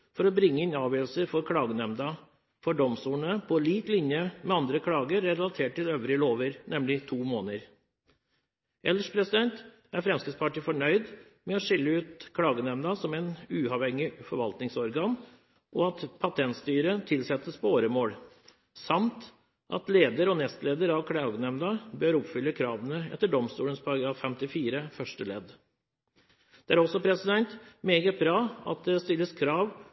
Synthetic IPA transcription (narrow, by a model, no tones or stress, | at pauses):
fɔɾɔbɾɪŋːəɪnɑːʋjøːlsəɾfɔɾkʰɽɑːɡənɛmd̪ɑ | fɔɖɔmsuːnəpʰɔliːt̪lɪnjəmɛɑnd̪ɾəkʰɽɑːɡəɾːɛlɑt̪ʰeːʈ̚ʰːɪløːʋɾɪloːʋəɾnɛmlɪt̪ʰuːmoːnəɾ | ʔɛləʂpʰɾɛsɪd̪ɛnt̪ | æɾfɾɛmskɪspʰɑʈifɔɳœʏd̪ | mɛɔʂɪlːəʉːt̪kʰɽɑːɡənɛmd̪ɑsɔmɛnʉːɑʋhɛŋːɪfɔɾʋɑlt̪nɪŋsɔɾɡɑːn | ʔɔɑt̪pʰɑt̪ʰɛnt̪st̪yːɾət̪ʰɪlsɛt̪ːəspʰɔoːɾəmoːɽ | sɑmt̪ | ʔɑ̰t̪leːd̪əɾɔnɛst̪leːd̪əɾɑʋkʰɽɑːɡənɛmnɑbøːɾɔpfʏlːəkʰɾɑːʋənəɛ̰t̪ːəɖɔmst̪uːlənspʰɑɡəɑfɛmt̪ɪfiːɾəfœʂʈəlɛd̪ | d̪̥ɛæɾɔsːɔpʰɾɛsɪd̪ɛnt̪meːɡət̪̚bɾɑːɑ̰t̪̚d̪ɛst̪ɪlːəskʰɾɑːʋ